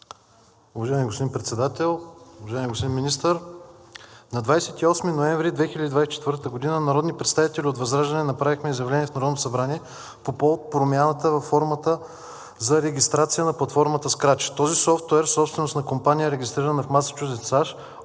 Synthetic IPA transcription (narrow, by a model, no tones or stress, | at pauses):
ʊvɐʒaɛmiɡospod̪inpɾɛt̪sɛd̪at̪ɛlˠʊvɐʒaɛmʲiɡospod̪inminist̪əɾ | nɐd̪vajsɛt̪iɔsminoɛ̃ɱvɾid̪vɛxilʲəd̪id̪vajsɛt͡ʃɛt̪vɤɾt̪t̪əɡod̪inənɐɾɔd̪nipɾɛt̪st̪avit̪ɛlʲiot̪vɐzɾaʒd̪ɐnɛnɐpɾavixmɛizjɐvlɛniɛfnɐɾɔd̪noosɐbɾanʲiɛ | popɔvot̪̚pɾomʲjanət̪əvɐfːɔɾmət̪ə | zɐɾɛɡʲist̪ɾat̪sijənɐplˠɐt̪fɔɾmət̪əskɾat͡ʃi̥t̪ɔzisɔft̪oɛɾsɔpst̪vɛnosnɐkompanʲijəɛɾɛɡʲist̪ɾiɾənɐfmasə̥t͡ʃuʒd̪ɛt̪saʃ